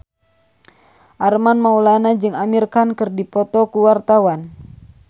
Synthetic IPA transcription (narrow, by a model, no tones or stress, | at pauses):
ʔarmanmaulanad͡ʒɨŋamirkankɨrdipɔt̪ɔkuwart̪awan